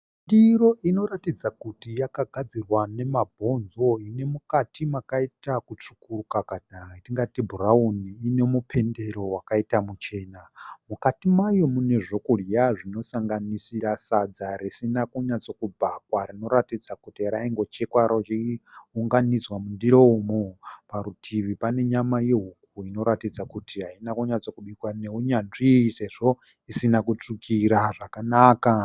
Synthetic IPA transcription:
ndiro̞ʔino̞ratid͡zakutijakaɡʱad͡zirwane̞mabʱo̞nzo̞ine̞mukatimakaitakut͡ʂu̥kurukakadatiŋɡatibʱurauniːne̞mupʰe̞nde̞ɾo̞wakaitamut͡ʃe̞ːnamukatimajo̞mune̞ʐo̞kurjaʐino̞saŋɡanisiɾasad͡zaɾisinakuɲat͡so̞kubʱakwarino̞ɾatid͡zakutiaɾaiŋɡo̞t͡ʃe̞kwaɾot͡ʃiuŋɡanid͡zwamundiɾoumopaɾutʰiʋipane̞ɲamajeɦukuino̞ɾatid͡zakutiɦainakuɲat͡so̞kuɓikwane̞uɲanʐise̞ʐo̞ | isinakut͡ʂukʰiɾaʐakanaːka

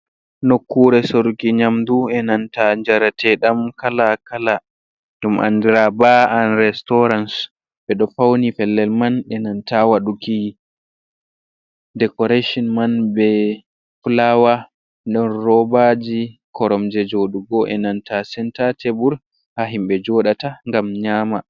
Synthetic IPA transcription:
nokːuɾɛsoɾukiɲamduɛnantaɲd͡ʒaɾatʰɛɗamkalakala | dumʔa̰ndiɾabaanɾɛstɔɾans | bɛɗɔfawnifɛlːɛlmanɛnantawaɗuki | dɛkɔɾeʃɔnmanbɛ | fulawa | ɗɔnrɔbad͡ʒikʰɔɾɔmd͡ʒɛd͡ʒoɗuɡɔʔɛnantasɛntatʰebuɾ | haɦimɓɛd͡ʒɔɗataŋɡamɲaːma

